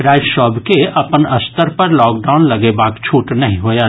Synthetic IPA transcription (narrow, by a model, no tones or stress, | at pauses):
ɾaːɪd͡ʒʃɔːbkeɐpənɐst̪əɾpɐɾlɔːk̚ɖaːʊnlɐɡebaːkt͡ʃʰuːʈnɐɦĩɦoja